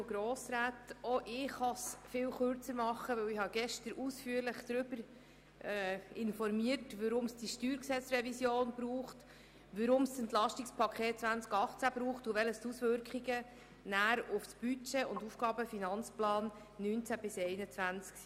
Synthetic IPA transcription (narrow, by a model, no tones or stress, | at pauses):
oɡɾoːsɾæːtɔʔɪχɑsfɪːwχøɾt͡səɾmɑχːəʋɵwɪhɑɡɛʃtəɾusfyəɾləχd̥ɾʏbəɾ | ɪnfɔɾmiərtʋəɾʊmsd̥iʃtyːɾksɛt͡sɾɛvisjoːnb̥ɾuːχt | ʋəɾʊmstənt̪lɑʃtikspʰɑkʰχeːt̚t͡sʋænt͡skɑχt͡sæb̥ɾuːχtuʋɛləstusʋʏɾkχiɡə | næːɾʊfsb̥yt͡ʃeːʊndufɡ̥ɑːbəfinɑnt͡splɑːnː | yːnt͡sæb̥ɪsɛɪnət͡sʋænt͡sks